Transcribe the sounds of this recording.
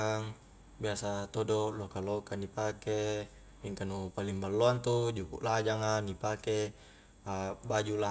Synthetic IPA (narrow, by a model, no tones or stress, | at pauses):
ŋ | biasat̪odolokalokanipake | miŋkanupaliŋbalːoant̪ud͡ʒukṵʔlad͡ʒaŋanipake | abad͡ʒula